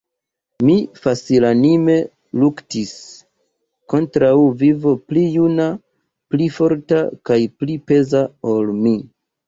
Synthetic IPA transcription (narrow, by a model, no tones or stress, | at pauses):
mifasilanime̞ | luktis | ko̞ntɾawvivo̞plijuna | plifo̞ɾta̰kajplipe̞zaolmi